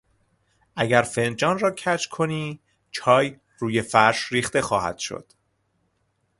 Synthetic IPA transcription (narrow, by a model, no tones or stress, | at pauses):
ʔæɟæɾfe̞nd͡ʒɒːnrɒːcʰæt͡ʃkʰo̞niː | t͡ʃʰɒːj | ruːje̞fæɾʃɾiːxt̪e̞xɒːhæ̰d̪̥ʃo̰d̪̥